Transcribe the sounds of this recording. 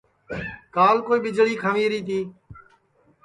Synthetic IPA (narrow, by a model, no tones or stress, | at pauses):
kaːlkoːiːɓɪd͡ʒɭiːkʰəʋiːɾiːt̪ʰiː